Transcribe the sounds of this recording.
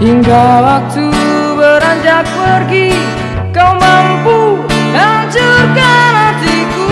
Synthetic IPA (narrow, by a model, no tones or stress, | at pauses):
iŋɡawak̚t̪ubəɾaɲd͡ʒak̚pərɡi | kawmampuɦaɲt͡ʃurkanad̪iku